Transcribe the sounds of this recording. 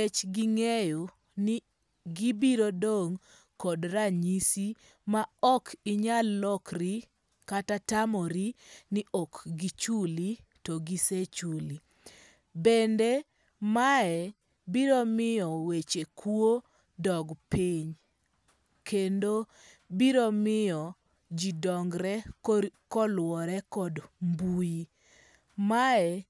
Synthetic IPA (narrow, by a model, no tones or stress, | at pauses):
et͡ʃɡiŋejo | nɪ | ɡibiɾodoŋ | kɔdɾaɲisi | maɔkʰɪɲalːɔkri | katatamɔɾinɪʔɔkɡit͡ʃulitɔɡiset͡ʃuli | bende | maɛ | biɾɔmɪjɔwet͡ʃekʰwo | dɔɡpiɲ | kendo | biɾɔmɪjɔ | d͡ʒidɔŋɡɾɛkɔlwɔɾɛkɔdmbuji | maɛ